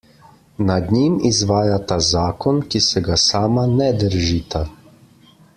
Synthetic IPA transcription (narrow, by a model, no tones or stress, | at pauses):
nad̪nimizʋaːjat̪azaːkɔnkisɛɡasaːmanɛd̪əɾʒiːt̪a